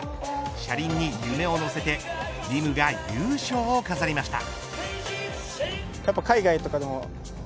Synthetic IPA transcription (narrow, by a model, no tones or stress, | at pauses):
ɕaɾʲĩɲ̟ːijɯme̞o̞no̞se̞t̪e̞ | ɾʲimɯ̟ɡajɯːɕo̞ːkazaɾʲimaɕi̥t̪a̰ | japːakaiɡait̪o̞kad̪emo